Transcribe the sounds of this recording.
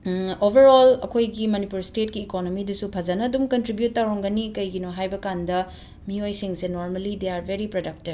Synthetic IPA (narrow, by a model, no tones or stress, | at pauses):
obʱɐɾolɐ̰kʰojɡimɐnipuɾstet̚kiːkonomidɐsupʰɐzɐnɐːdumkɐntɾibjutːaɾoŋɡɐnikɐjɡinoɦajbɐkandɐ | miojsiŋsenoɾmɐlideaɾbʱeɾipɾodɐk̚tib